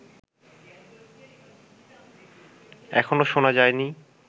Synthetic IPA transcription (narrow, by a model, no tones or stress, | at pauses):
ɛ̰kʰonoʃonad͡ʑaeni